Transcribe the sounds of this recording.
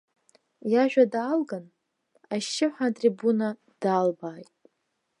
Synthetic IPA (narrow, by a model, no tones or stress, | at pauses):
jaʒᶣadaːlɡan | aʃɪħʷatʼribuna | d̥aːlbaːjtʼ